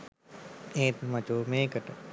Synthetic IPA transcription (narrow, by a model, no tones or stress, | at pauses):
eːt̪mɐt͡ʃoːmeːkəʈə